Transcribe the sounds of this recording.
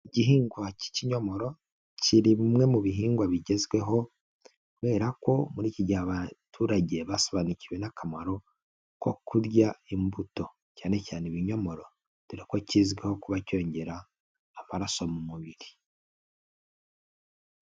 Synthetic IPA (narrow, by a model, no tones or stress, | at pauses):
iɟiɦiːŋɡwaci̥ciɲo̞mo̞ɾo̞ | ciɾiβimŋe̞muβiɦiːŋɡwaβiɟe̞zɡwe̞ɦo̞ | kuβe̞ːɾako̞muɾiːciɟaːβatʰuːɾaɟe̞βasoβaːniciwe̞nakʰamaɾo̞ | ko̞kuɾjaimbuto̞ | caːne̞caːneβiɲo̞mo̞ɾo̞ | βiɾiko̞ciːzɡweho̞kuβaco̞ːɲɟe̞ɾaː | maɾaso̞mumuβiɾi